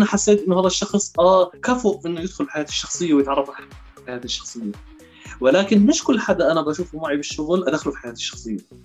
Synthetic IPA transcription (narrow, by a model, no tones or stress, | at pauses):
naħasːeːt̪ʔɪnːʊhaːðaʃːɑxsˤʔakafʊʔʔɪnːʊjɪd̪xʊlfi̥ħajaːt̪ɪ̥ʃːɑxsˤɨjːawɪjɪt̪ʕɑrˤːɑfalħ | ħajaːt̪iʃːɑ̥xsˤɨjːa | wɪlaːkɪnmɪʃkʊlːħad̪ːaʔanabʔaʃuːfmaʕibɪʃːʊɣlʔad̪axalufi̥ħajaːt̪ɪ̥ʃːɑ̥xsˤɨjːa